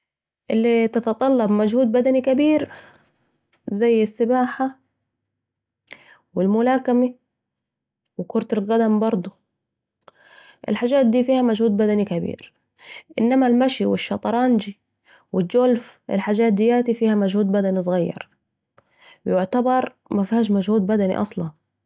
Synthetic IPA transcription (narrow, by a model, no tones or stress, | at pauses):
ʔɪlːit̪ɑt̪ɑt̪ˤɑlːɑbmad͡ʒhuːd̪̚bad̪anikabiːɾ | zajːɪsːɪbaːħa | wɪlmʊlaːkami | wɪkʊɾˤt̪alɣad̪ambɑɾˤd̪ˤu | ʔɪ̰lħaːd͡ʒaːt̪̚d̪iːfiːhamad͡ʒhuːd̪̚bad̪anikabḭːɾ | ʔɪnːamalmaʃiwɪʃːɑt̪ˤɑɾˤɑːnd͡ʒi | wɪd͡ʒolfʔɪ̰lħaːd͡ʒaːt̪̚d̪ɪjaːt̪ifiːhamad͡ʒhuːd̪̚bad̪anisˤɣɑjːɑ̰ɾˤ | bɪjʊʕt̪abɑɾˤ | mafhaːʃmad͡ʒhuːd̪̚bad̪anḭʔɑ̰sˤlɑn